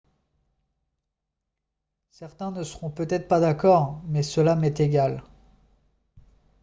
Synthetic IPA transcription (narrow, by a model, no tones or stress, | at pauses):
sɛʁt̪ɛ̃nəsəʁɔ̃pøt̪ɛt̪χpad̪akɔʁmɛsəlamɛt̪eɡʲal